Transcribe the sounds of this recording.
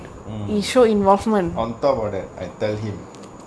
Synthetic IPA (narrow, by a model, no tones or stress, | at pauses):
iʃoĩnvɔlfmə̃nɔ̃ntɔp̚ɔdɛt̚ajtɛlɦĩm